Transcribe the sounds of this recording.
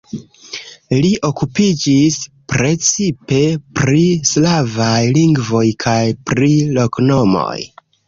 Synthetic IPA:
liʔo̞kupid͡ʒis | pɾe̞t͡sipe̞pɾislavajliŋɡvo̞jkʰajpɾilo̞kno̞mo̞̰j

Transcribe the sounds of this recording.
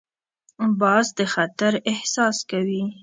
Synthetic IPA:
bɑzd̪əxat̪aɾɪhsɑskawi

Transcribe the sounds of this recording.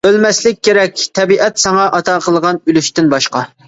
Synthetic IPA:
ølmɛslɪk̚ʲːeɾɛk̚ʲt̪ʰɛbiʔɛt̪sɑŋɑʔɑt̪ʰɑqʰəlˠʁɑnylyʃt̪ɪnbɑʃqɑ

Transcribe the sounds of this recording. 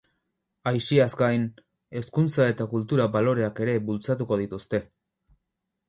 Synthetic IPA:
ajʃiazɡajn | e̞skunt͡sae̞t̪akult̪uɾaβalo̞ɾe̞ake̞ɾe̞βult͡sat̪uko̞ðit̪ust̪e̞

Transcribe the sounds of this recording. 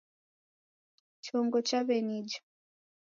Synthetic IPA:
t͡ʃɔŋɡɔt͡ʃaβɛnid͡ʒḁ

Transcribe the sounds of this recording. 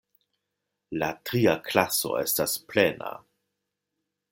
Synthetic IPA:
latɾiaklaso̞̰e̞̰stasplena̰

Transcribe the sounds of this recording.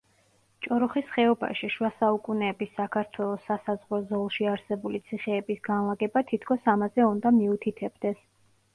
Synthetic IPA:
t͡ʃʼɔɾɔχisχɛɔba̰ʃiʃwasaukʼunɛːbisːakʰaɾt̪ʰwɛlˠɔsːasazʁɾɔzɔlˠʃiaɾsɛbulit̪sʰiχɛːbisɡ̥anlˠaɡɛbat̪ʰit̪ʰkʰɔsamazɛund̪amiut̪ʰit̪ʰɛbd̪ɛs

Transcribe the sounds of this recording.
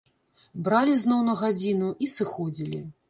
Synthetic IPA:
bɾalʲiznɔwnɐɣad͡zʲinuʔisɨxɔd͡zʲilʲḭ

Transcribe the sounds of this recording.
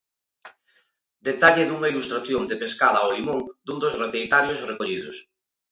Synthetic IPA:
d̪et̪aʎɪðuŋailust̪ɾaθjond̪epeskaðɐaolimoŋd̪und̪ozreθejt̪aɾjosrekoʎiðʊs

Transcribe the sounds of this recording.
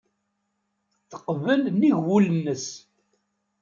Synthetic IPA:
θːə̥qvəlniʝwulənːəs

